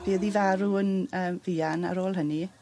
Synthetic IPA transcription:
b̥eːðivaɾuənəːmviːana̰ɾoːlˠɦəni

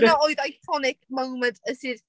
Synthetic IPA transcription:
naoɨðajkʰɔnɪkmowməntʰəsir

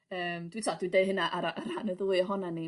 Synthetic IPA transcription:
əːmd̥witʰɔdwindejðɦənaʔaɾaaɾanəðlˠɨɔɦɔnani

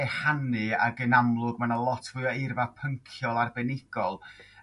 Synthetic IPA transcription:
ɛhanɨa̰ɡənamlˠʊɡmanəlˠɔtʰvɨaɪrvapʰəŋkʰjɔlˠarbɛnɪɡ̥ɔlˠ

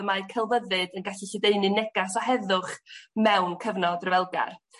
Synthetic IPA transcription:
əmaɨkʰɛlˠvəðɨdənɡaɬiɬədeɨnɨnɛɡasɔhɛðʊχmɛwnkʰəvnɔdrəvɛlˠɡa̰r

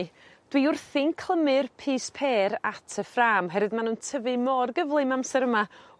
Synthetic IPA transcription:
d̥wiʊrθɪnkʰl̥ˠəmɨrpʰiːspʰeːɾatʰəfraːmɦɛɾɨðmanuːntʰəvɨmɔrɡəvlˠɨmamsɛɾəma

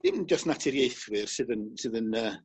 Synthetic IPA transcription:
d̥ɪmd͡ʒɔstnatʰɪɾjejθwɪrsɨðənsɨðənəː

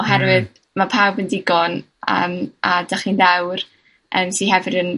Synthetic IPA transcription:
ɔɦɛɾwɨð | mapʰawbəndɪɡɔn | ə̰ːmʔadaχinðɛwr | ʔəːmsiɦɛvɨdən

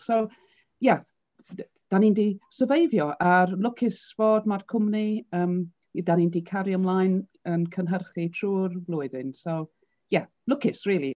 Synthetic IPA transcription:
sow | ja | d̥anindiːsəvejvjɔʔarlˠʊkʰɪsv̥oːdmarkʰʊmniəːm | daniːndiːkʰaɾjɔmlˠaːjnənkʰənɦərχitʰruːrvlˠʊɨðɪnsɔ | ja | lˠʊkɪsriːlˠi

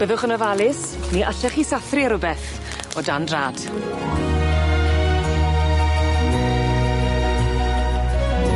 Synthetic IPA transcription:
b̥əðʊχənɔvalɪs | niʔəɬɛχisaθriaɾʊbɛθ | ɔdandraːd̥

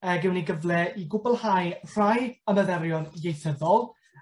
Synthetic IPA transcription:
əɡɪwniɡəvlɛiɡʊbɔlˠhajr̥ajəməðɛɾjɔnjejθəðɔlˠ

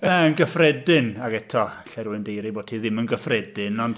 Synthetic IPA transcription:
ɛənɡəfrɛdɪnaɡɛtʰɔɬɛɾuɨndejɾiboːd̥̚tʰiðɪmənɡəfrɛdɪnɔnd̥

